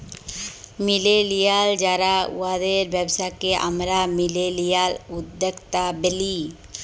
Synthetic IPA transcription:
mɪlelijald͡ʒaɾaṵad̪eɾbjəbsakeʔa̰mɾamɪlelijalʊd̪əkt̪abeli

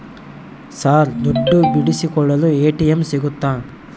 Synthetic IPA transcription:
saːɾd̪ɔɖːubiɽisikɔɭːɐlueːʈijɐmsiɡut̪ːaː

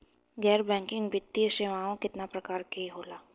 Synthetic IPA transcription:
ɡɛːɾbɛ̃ːŋkɪ̃ŋɡbɪt̪ːiəʃeʋaːõkɪt̪napɾɐkaːɾkeɦoːlaː

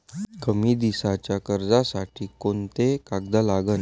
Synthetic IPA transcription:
kəmiːd̪isat͡ɕjakəɾd͡zasaʈʰiːkont̪ekaɡ̚d̪əlaɡən

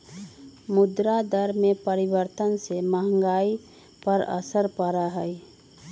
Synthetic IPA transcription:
mʊd̪ɾad̪əɾmẽpəɾibəɾt̪ənseməɦə̃ŋɡaːi | pəɾə̰səɾpəɾaɦəj

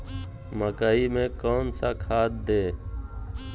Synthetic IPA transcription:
məkaːimẽkoːnsakʰaːt̪̚d̪eː

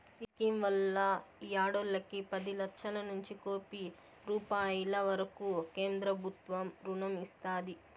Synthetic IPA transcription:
iskimʋɐlːɐjaːɽolːɐkipɐd̪ilɐkʂɐlɐnuɲt͡ʃikoːpi | ɾuːpaːjilɐʋɐɾɐkuke̞ːnd̪ɾɐbʱut̪ʋɐmɾunɐmist̪aːd̪i

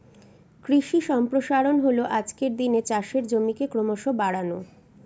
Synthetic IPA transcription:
kɾiʃiʃɔmpɾoʃaɾonɦoloʔad͡ʑkeɾd̪inet͡ɕaʃeɾd͡ʑomikekɾomoʃobaɽano

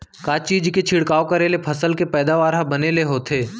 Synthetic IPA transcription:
kaːt͡ʃiːd͡ʒket͡ʃʰɪɽkaːokəɾelepʰɐsəlkepɛːd̪aʋaːɾɦabɐneleɦoːt̪ʰeː

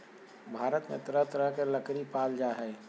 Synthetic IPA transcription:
bʱaːɾət̪mḛt̪əɾəɦt̪əɾəɦkeləkɾipaːld͡ʒaɦɛː

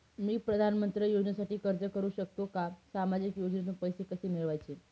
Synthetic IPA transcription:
miːpɾəd̪ʱanmənt̪ɾəjod͡ʑnəsaʈiːkəɾt͡səkəɾuːɕək̚t̪okasamad͡ʑikjod͡ʑnit̪pəjsekəsemiɭʋajt͡ɕe

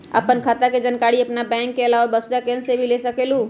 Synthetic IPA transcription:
ə̰pənkʰaːt̪aked͡ʒənkaːɽiɐpnabɛ̃ːŋkːeɐlaːʋabəsd̪akẽnsebʱilesəkeːluː

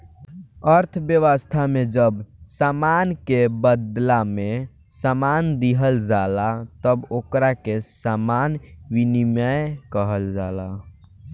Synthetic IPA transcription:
əɾt̪ʰbjəʋəst̪ʰamed͡ʒəbsamankebəd̪lame | samand̪iɦəld͡ʒalat̪əbokɾakesamanwiniməjkəɦəld͡ʒala

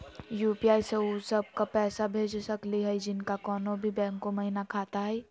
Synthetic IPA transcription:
juːpiaːjseosəb̚kapɛːsabʱeːd͡ʒsəkliɦɛjd͡ʒɪnkakɔːnõbʱibɛ̃ːŋkõməɦinakʰaːt̪aɦɛː

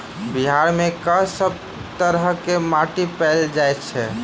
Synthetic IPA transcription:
biɦaɾmekəsəb̚ | t̪əɾɦəkemaʈipɛld͡ʒajt̪t͡ʃʰɛ

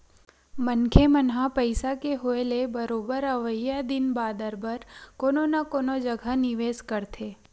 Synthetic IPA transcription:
mənkʰemənɦapəɪsakeɦoelebəɾoːbəɾəʋəjad̪ɪnbaːd̪əɾbʱəɾkoːnonakoːnod͡ʒəɡʱanɪʋeːskəɾt̪ʰeː

